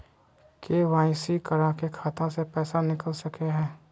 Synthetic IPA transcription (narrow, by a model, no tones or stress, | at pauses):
keʋaːɪ̃sikɐɾakekʰaːt̪ãsepɛːsanɪkəlsɐkeɦɛ̃ː